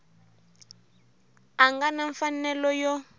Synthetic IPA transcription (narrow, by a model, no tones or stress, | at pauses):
aŋɡanaɱfanɛlɔjɔ